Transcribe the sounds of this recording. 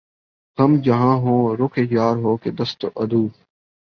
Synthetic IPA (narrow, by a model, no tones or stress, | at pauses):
ɦ̪əmd͡ʒəɦãːɦõːɾʊkʰejaːɾɦoːkeːd̪əst̪ʔəd̪ʱuː